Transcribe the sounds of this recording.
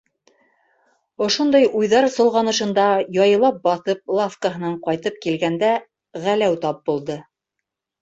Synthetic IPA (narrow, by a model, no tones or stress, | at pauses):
ŏʃund̪ɑjujðɑɾsɤ̆lˠʁɑnɤ̆ʃɤ̆nd̪ɑjɑjɤ̆lˠɑp̚bɑθɤp̚lˠafkəɦɤ̆nɑɴqɑjt̪ɤp̚kilɡænd̪æ | ʁælæwt̪ɑp̚bulˠd̪ɤ